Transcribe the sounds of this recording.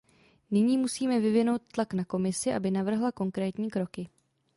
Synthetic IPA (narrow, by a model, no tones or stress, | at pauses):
nɪɲiːmusiːmɛvɪvɪno̞wt̪̚t̪ːlaknako̞mɪsɪʔa̰bɪnavr̩ɦlako̞ŋkɾɛːt̪ɲiːkɾo̞kɪ